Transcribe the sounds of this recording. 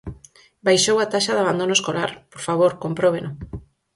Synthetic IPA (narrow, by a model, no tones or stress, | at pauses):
bajʃowat̪aʃaðaβand̪onoeskolaɾpoɾfaβ̞oɾkompɾoβeno